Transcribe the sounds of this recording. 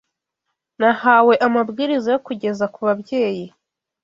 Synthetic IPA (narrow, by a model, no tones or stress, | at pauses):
nahawe̞ʔamabɡiːɾizajokuɟe̞zakuβabje̞ːji